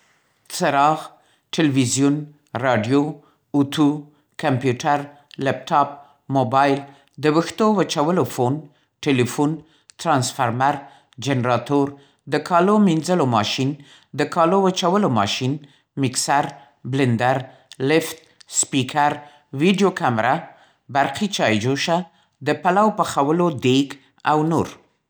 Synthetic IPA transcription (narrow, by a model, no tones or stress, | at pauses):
t͡səɾɑɣ | ʈalwizjun | ɾɑɖjo | ut̪ʰu | kampjuʈaɾ | lap̚ʈɑp̚ | mobɑjl | d̪əwəxt̪owət͡ʃawəlofon | ʈelifun | t̪ɾɑnsfaɾmaɾ | d͡ʒenɾɑt̪oɾ | d̪əkɑlominzəlomɑʃin | d̪əkɑlowət͡ʃawəlomɑ̰ʃin | mɪksaɾ | blɪnd̪aɾ | lɪft̪̚spikʰaɾ | wiɖijokamɾa | baɾqit͡ʃɑjd͡ʒoʃa | d̪əpalawpəxawəlod̪eɡ | awnoɾ